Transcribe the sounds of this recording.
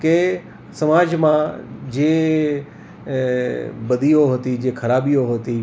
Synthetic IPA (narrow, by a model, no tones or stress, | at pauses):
ke | sɐmaːd͡ʒmãd͡ʑeː | bɐd̪ʱijoɦoːt̪id͡ʒẽːkʰɐɾaːbijoɦoːt̪i